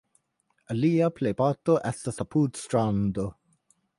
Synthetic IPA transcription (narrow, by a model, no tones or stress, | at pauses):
aliapʰlejpatoʔɛstasapʰudstɾando